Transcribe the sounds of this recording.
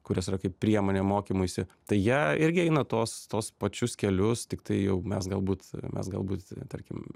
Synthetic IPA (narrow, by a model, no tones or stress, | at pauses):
kʊɾʲoːsɪrɐkɐɪpppʲɾʲiɛmoːnʲeːmoːkʲiːmʊsʲɪt̪ɐɪjiɛɪɾʲɡʲɪɛɪnɐt̪oɔːst̪oːspɐt͡ʃʲʊskʲɛlʲʊst̪ʲɪkt̪ɐɪjɛʊmʲɛsɡɐlˠbuːt̪mʲɛ̰sɡɐ̰lˠbuːt̪t̪ɐɾʲkʲɪm